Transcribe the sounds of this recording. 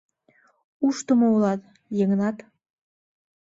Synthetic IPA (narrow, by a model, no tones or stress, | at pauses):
uʃt̪ə̆moulɑt̪ | jeŋənɑt̪